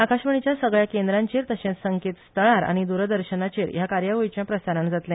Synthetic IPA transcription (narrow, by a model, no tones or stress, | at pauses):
akaɕʋəɳ̃it͡ɕjasəɡɭjakend̪ɾaɲt͡ɕiːɾt̪əɕẽsəŋket̪st̪ʰəɭaɾa̰ɽ̃id̪uɾəd̪əɾɕənat͡ɕiːɾjakaɾjaʋəjit͡ɕjãpɾəsaɾəɳd͡zat̪lɛ̃